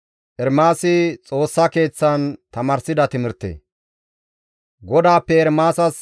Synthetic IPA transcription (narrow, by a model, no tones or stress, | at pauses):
ʔɛɾmaːsɪt͡sʼo̞ːsːɐke̞ːt͡sːɐnt̪ɐmaːɾsɪd̪ɐt̪ɪmɪɾt̪ːḛː | ɡɔd̪aːpːɛɛɾmaːsɐs